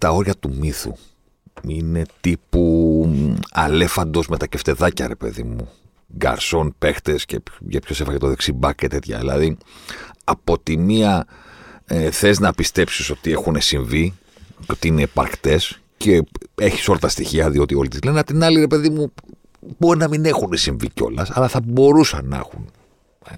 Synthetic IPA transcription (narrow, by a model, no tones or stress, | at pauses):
t̪ɐo̞ɾʝɐt̪umiθṵ | ine̞t̪ipu | ɐ̰le̞fɐnd̪o̞zme̞t̪ɐceft̪e̞ðɐcɐ̰ɾe̞pe̞̰ðḭmṵ | ɡɐ̰ɾso̞npe̞xt̪escḛʝɐpço̞sefɐet̪oðeksibɐket̪e̞t̪çɐ̰ḭlɐ̰ði | ɐpo̞t̪imiɐ | eθe̞znɐpist̪e̞psiso̞t̪ie̞xunesiɱvi | co̞t̪iineːpɐ̰ɾkt̪e̞s | cee̞çi̥so̞lɐt̪ɐst̪içiɐðio̞t̪io̞lit̪izle̞neɐpt̪inɐliɾe̞pe̞ðimu | bo̞ɾinɐmine̞xunesiɱvḭco̞̰lɐsɐlɐθɐbo̞ɾusɐnḛxun | e